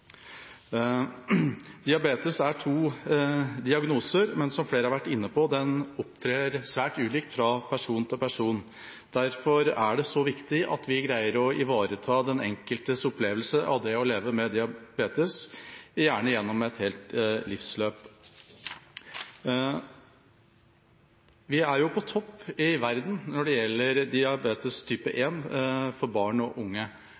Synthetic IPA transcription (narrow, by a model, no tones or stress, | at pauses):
d̪ɪɑbeːt̪əsæʈʰuː | d̪ɪɑɡnuːsəɾmɛnsɔmfleːɾəhɑɾʋæʈːɪnːəpɔd̪ɛnɔpt̪ʰɾeːɾsʋæːʈʉːliːkt̪fɾɑpʰæʂuːnt̪ʰɪlpæʂuːn | d̪̥æɾfɔɾæɖɛsɔʋɪkt̪ɪʔɑ̰t̪ʰʋɪɡɾæɪəɾɔɪʋɑːɾət̪ʰɑːd̪ɛnɛ̰ŋkəlt̪əsʊpleːʋəlsəʔɑ̰ʋd̪ɛɔleːʋəmɛd̪ɪɑbeːt̪əsɪjæːɳəjɛnːɔmɛt̪heːlt̪lɪfsløːp | ʋɪæɾjʊpʰɔt̪ʰɔpːɪʋæɾd̪n̩nɔɖɛjɛlːəɾd̪ɪɑbeːt̪əst̪ʰyːpəʔeːnfɔɾbɑːɳɔʔʊŋːə